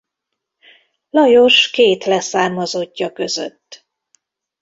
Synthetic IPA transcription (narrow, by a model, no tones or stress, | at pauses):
lɒjo̞ʃkeːt̪lɛsaːrmɒzo̞ɟːɒkø̞zø̰t̪ː